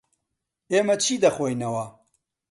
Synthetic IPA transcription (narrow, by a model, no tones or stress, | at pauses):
eːmɐt͡ʃʰiːd̪ɐxoːjnɐwɐ